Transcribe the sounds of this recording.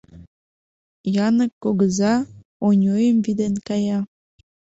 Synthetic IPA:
jɑnəkːoɣəzɑ | onʲojəmvid̪enkɑjɑ

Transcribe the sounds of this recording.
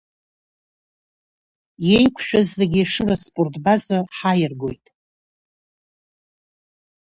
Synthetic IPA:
je̞jkʷʰʃᶣazːe̞ɡʲiʂɨraspʼortʼbazarħajɪrɡo̞jtʼ

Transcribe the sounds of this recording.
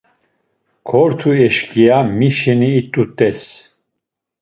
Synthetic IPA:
kʰɔɾt̪ʰuɛʃkʼiamiʃɛniːt̪ʼut̪ʼɛs

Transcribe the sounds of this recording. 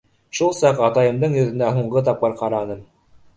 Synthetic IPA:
ʃulˠsɑqɑt̪ɑjɤ̆md̪ɤɴjɵ̆ðɘ̆næɦuɴʁɤt̪̬ɑp̚qɤɾqɑɾɑnɤm

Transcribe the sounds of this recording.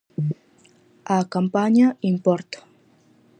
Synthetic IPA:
akampaɲaimpɔɾt̪o̥

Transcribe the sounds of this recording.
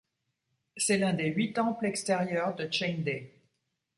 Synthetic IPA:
sɛlɛ̃d̪eɥit̪ɑ̃plɛkst̪ɛʁjœʁd̪ət͡ʃɛjnd̪e

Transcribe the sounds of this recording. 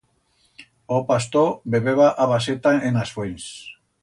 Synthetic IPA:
opast̪obeβeβaʔaβaset̪aenasβojns

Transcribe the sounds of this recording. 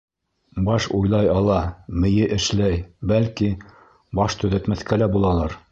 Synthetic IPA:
bɑʃujlˠɑjɑlˠɑmɘ̆jɘʔɘ̆ʃlæjbælki | bɑʃt̪ɵ̆ðæ̆t̪mæθkælæbulˠɑlˠɑɾ

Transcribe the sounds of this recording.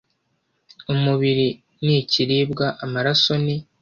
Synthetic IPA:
umuβiɾi | niciɾiːbɡaʔamaɾaso̞ni

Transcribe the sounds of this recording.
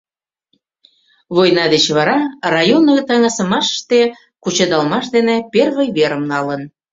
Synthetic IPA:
βojnɑd̪et͡ɕβɑɾɑrɑjonːəɣt̪ɑŋɑsəmɑʃə̥ʃt̪e | kut͡ɕɤd̪ɑlmɑʃd̪enĕperβəjβeɾəmnɑlən

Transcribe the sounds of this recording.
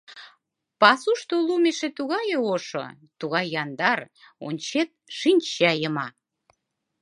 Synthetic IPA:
pɑsuʃt̪olumeʃĕt̪uɣɑjeoʃo̰ | t̪uɣɑjːɑnd̪ɑr | o̰nʲt͡ɕet̪̚ʃinʲt͡ɕæjəmɑ

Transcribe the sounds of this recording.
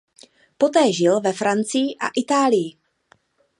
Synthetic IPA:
po̞t̪ɛːʒɪlvɛfɾant͡sɪjɪʔa̰ʔɪt̪aːlɪjɪ

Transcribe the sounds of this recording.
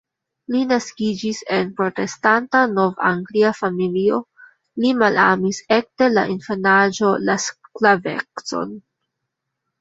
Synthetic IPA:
linaskid͡ʒise̞npɾo̞te̞stantano̞va̰ŋɡliafamilio̞ | limalamise̞k̚te̞la̰ʔinfenad͡ʒo̞lasklavḛkso̞̰n

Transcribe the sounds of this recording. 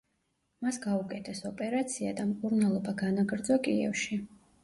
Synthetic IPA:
masɡaukʼɛt̪ʰɛsɔpʼɛɾat̪sʰiad̪amkʼuɾnalˠɔbaɡanaɡʼɾd̪zɔkʼiɛ̰fʃi

